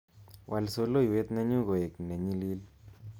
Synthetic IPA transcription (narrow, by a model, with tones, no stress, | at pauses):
wʔa˨lso˦lo˦i˨we˦t̪nɛ˦ɲu˦ɣo˨e˨knɛ˨ɲi˦li˦l